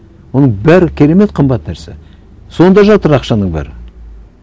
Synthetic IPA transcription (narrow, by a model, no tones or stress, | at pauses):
wo̞nəɴbæɾɪkʲʰe̞ɾe̞me̞t̪qʰəmbɑt̪ːnæɾse | so̞nd̪ɑʒɑt̪əɾɑqʃɑnəɴbæ̰ɾɪ